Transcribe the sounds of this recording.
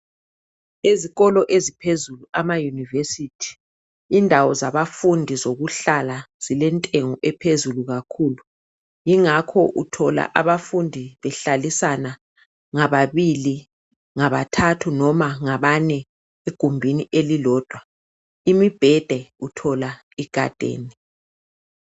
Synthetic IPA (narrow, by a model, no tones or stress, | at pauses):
eziɣɔlɔʔezipʰezuluamajunivesitʰi̥ː | ndʱawɔzaβafundʱizoɣuɬala | z̥ilɛntʼeŋɔʔɛpʰezuluɣakʰuːlu | jiŋakʰɔʔutʰɔla̰ʔaβafundʱiβɛɬalisana | ŋaβaβili | ŋaβatʰatʰunɔmaŋaβaɲɛ | eɡ̥ʱumbʱiniʔelilɔːd̥ʱwa | imib̥ʱɛd̥ʱɛutʰɔla | iɡ̥ʱa̰d̥ʱḛːni